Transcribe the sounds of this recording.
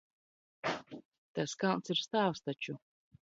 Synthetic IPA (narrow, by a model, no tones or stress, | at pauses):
t̪askalˠnsiɾst̪aːwst̪at͡ʃu